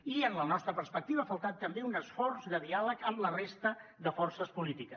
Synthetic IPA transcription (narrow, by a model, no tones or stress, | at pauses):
iənlənɔst̪ɾəpəɾspək̚t̪iβəaːfəlˠt̪at̪ːəmbeunəsfɔrzðəðialəkəmlərest̪əðəfɔrsəspulit̪ikə